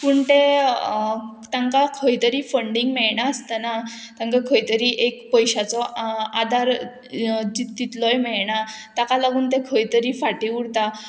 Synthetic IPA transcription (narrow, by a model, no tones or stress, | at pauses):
puːɳt̪e | t̪ãŋkakʰəjt̪əɾiːfəɳɖiŋɡmɛɭɳaəst̪ana | t̪ãŋkakʰəjt̪əɾiːʔekpəjɕat͡sɔad̪ʱaɾ | d͡ʑit̪ːit̪lɔjmɛɭɳat̪akalaɡuːnt̪ekʰəjt̪əɾiːfaʈiuɽt̪a